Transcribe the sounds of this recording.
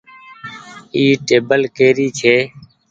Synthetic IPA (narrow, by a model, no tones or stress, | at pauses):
iːʈeːbəlkeːɾiːt͡ʃʰeː